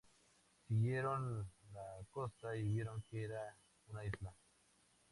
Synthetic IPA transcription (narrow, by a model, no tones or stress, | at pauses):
siɣjeɾonlakostaiβjeɾoŋkeɾa | unaisla